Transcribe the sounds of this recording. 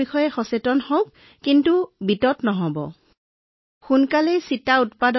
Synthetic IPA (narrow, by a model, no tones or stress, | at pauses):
ixɔjɛxɔsetɔnhoʊkː | intubitɔtnɔɦɔbɔ̰ | xunkalɛsitautpadɔ